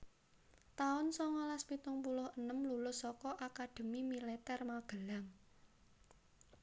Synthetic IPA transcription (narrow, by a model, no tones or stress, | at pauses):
t̪aʊnsɔŋalaspit̪ʊŋpulʊhənəmlulʊsːɔkɔʔakad̪̥ə̤mimilɛt̪ɛrmaɡ̥ə̤laŋ